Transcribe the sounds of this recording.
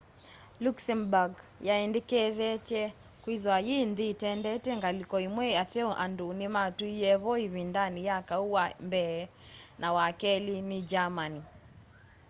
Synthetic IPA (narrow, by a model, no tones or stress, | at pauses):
luksɛmbaɡjaɛndɛkɛðɛt͡ʃɛ | kwiðwajinðitɛndɛtɛŋɡalikɔimwɛatɛɔʔandunimatuijɛβɔiβindanijakauwambɛː | nawakɛlinid͡ʒamani